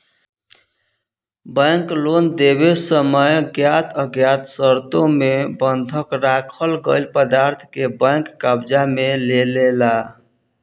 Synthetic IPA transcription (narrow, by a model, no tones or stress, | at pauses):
bəŋklond̪ebesəməjɡjat̪ʰəɡjat̪səɾt̪omebənd̪ʱəkɾakʰəlɡəɪlpəd̪aɾt̪ʰkebə̃ŋkːabd͡ʒamelelela